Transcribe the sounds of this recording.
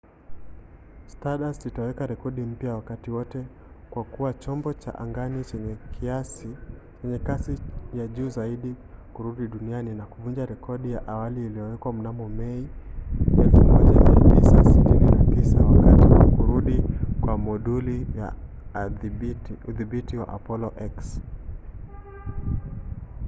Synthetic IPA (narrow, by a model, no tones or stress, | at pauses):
staɗasitawɛkaɾɛkɔɗim̩pjawakatiwɔtɛ | kwakuwat͡ʃɔmbɔt͡ʃa̰ʔa̰ŋɡania | t͡ʃɛɲɛkasijaʄuːzaiɗi | kuɾuɗiɗunianinakuvund͡ʒaɾɛkʰɔɗijaʔawaliːlijɔwɛkwam̩namɔmɛi | ɛlfumɔʄamiatisasitininatisawakatiwkuɾuɗikwamɔɗulia̰ | uðiɓitiwa̰ʔapɔlɔʔɛks